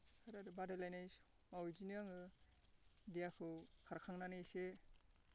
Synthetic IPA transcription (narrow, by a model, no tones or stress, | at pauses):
kʰaɾaɾɯbadalajnaj | mawziniaŋɯ | dijakʰɯwkʰaɾkʰaŋnanɯse